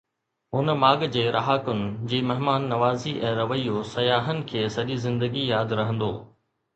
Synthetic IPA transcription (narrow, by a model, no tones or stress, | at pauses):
ɦʊnmaːɡd͡ʑeːɾʔɐɦaːkʊnɪ̆d͡ʑiːmɐɦmaːnːɐʋaːziʔɛ̃ːɾɐʋəijosɐjaːɦənɪ̆kʰeːsɐʄizɪ̃nd̪əɡijaːd̪ɾɐɦə̃nd̪o̰ː